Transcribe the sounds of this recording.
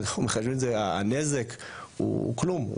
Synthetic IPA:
naumeχaʃvimezeaa̰nezekṵklum̰

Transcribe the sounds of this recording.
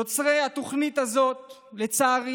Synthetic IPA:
ot͡sʁehat̪o̞χnit̪azo̞t̪ | le̞t͡saːʁ

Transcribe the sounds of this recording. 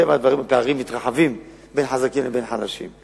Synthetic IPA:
emad̪vaʁimapeaʁimːit̪ʁaħavim | be̞nħazakimlebe̞nħadaʃḭm

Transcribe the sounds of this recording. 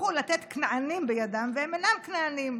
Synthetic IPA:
ulat̪et̪knaanimbejadamveemenamknaanim

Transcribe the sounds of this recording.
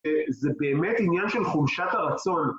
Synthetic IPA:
zebeːmet̪injanʃe̞lχumʃat̪haʁat͡so̞n

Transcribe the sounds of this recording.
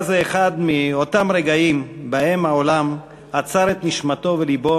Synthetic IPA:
zeeχad̪mio̞tamʁeɡaimbahe̞mhao̞lam | hat͡saɾet̪niʃmato̞velibo̞

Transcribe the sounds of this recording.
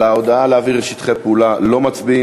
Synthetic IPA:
leod̪aaleaviʁeʃit̪χepulalo̞mat͡sbi

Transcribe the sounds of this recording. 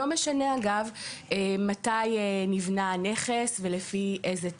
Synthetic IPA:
omeʃaneaɡavematajenivnane̞χesvelefiʔeze

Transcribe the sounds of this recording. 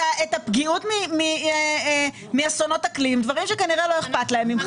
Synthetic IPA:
aetapɡiutmimi | miasono̞taklimdvaʁimʃekaniʁelo̞eχpatlae̞mim

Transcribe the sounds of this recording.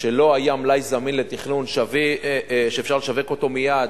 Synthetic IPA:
ʃe̞lo̞ajamlajzaminle̞t̪iχnunʃaviʃeːfʃaʁleʃave̞ko̞t̪o̞mijad

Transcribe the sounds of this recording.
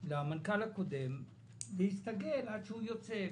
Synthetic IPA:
lamɐnkalɐkud̪em | bist̪ɐɡelat͡ʃʰujot͡se

